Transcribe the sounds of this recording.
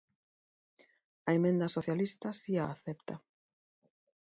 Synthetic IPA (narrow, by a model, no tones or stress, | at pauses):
ɐemẽnd̪ɐsoθjalist̪ɐsiaːθɛpt̪ɐ